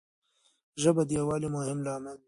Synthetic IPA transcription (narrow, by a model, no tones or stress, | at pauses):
ʒəbad̪ijawɑːlimʊhɪmlɑːman